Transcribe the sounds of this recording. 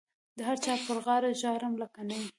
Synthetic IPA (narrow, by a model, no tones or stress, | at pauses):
d̪əɦaɾt͡ʃɑpəɾɣɑɾaʒɑɾamlakanaw